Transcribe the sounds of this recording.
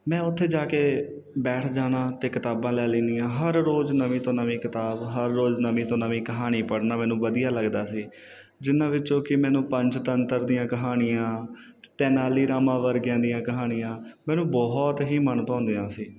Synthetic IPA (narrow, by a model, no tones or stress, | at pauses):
mɛ̃ːʊt̪ʰːeːd͡ʒaːkeː | bɛːʈʰd͡ʒaːnaːt̪eːkɪt̪aːbãːlɛːliːnijãːɦəɾɾoːznəʋĩːt̪õːnəʋĩːkɪt̪aːbɦəɾːoːznəmĩːt̪õːnəʋĩːkəɦaːniːpəɽnaːmɛ̃ːnũːʋəd̪ijaːləɡd̪aːsiː | d͡ʒɪnãːʋɪt͡ʃõːkɪmɛ̃ːnũːpə̃ɲt͡ʃt̪ənt̪əɾd̪ijãːkəɦaːnɪjãː | t̪ɛːnaːliːɾaːmãːʋəɾɡjãːd̪ɪjãːkəɦaːnɪjãːmɛ̃ːnũːbɔːɦt̪ɦiːmənpãːnd̪eːãːsiː